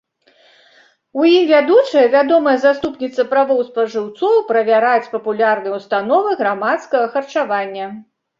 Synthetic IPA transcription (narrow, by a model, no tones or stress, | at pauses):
wjimvʲad̪ut͡ʂɐjɛvʲad̪ɔmɐjɐzast̪upnʲit̪sɐpɾavɔwspɐʐɨwt̪sɔwpɾɐvʲaɾat͡sʲpɐpulʲarnɨjɛwst̪anɔvɨɣɾamat̪skɐɣɐxɐrt͡ʂavanʲːɐ